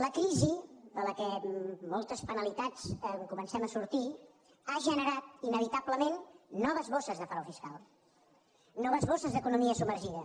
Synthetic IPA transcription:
ləkɾiziðələkɛmɔlˠt̪əspənəlit̪at͡səkumənsɛməsuɾt̪i | aʒənəɾat̪̚inəβit̪abləmenːɔβ̞əzβosəzðəfɾɔwfiskalˠ | nɔβəzβosəzðəkunumiəsubməɾʒiðə

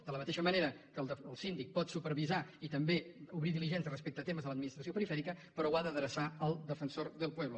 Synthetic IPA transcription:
d̪ələmət̪eʃəməneɾəkəlˠəəlˠsind̪ik̚pɔt̪supəɾβizait̪əmbeuβɾiðiliʒɛnsjərəspek̚t̪ət̪eməzðələd̪̚minist̪ɾəsiopəɾifɛɾikəpəɾɔwaðəðɾəsaəlˠd̪əfənsoɾðəlˠpwɛβlə

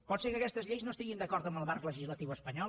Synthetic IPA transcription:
pɔt̪sekəkɛst̪əzʎejznost̪iɣind̪əkɔɾt̪əmbəlˠβarkləʒizlət̪iwəspəɲɔ

